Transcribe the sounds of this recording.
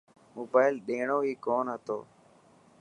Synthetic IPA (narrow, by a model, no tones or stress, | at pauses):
moːbaːɪlɗẽːɳoːɦiːkoːnɦət̪o̰ː